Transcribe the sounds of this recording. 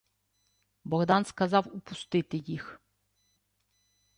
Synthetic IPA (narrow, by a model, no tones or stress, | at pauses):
bɔɣd̪ɑnskɐzɑwupʊst̪ɪt̪ɪjix